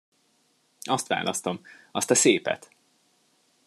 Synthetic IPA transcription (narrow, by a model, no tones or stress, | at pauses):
ɒst̪ʋa̰ːlʔɒst̪o̞mɒst̪ɒseːpɛ̰t̪